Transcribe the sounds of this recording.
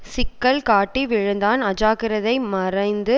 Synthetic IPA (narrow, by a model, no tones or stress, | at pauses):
sɪkːɐlkaːʈːiʋɪɻɯnd̪aːnɐd͡ʒaːkɪɾɐðɐɪmɐrɐɪnd̪ɯ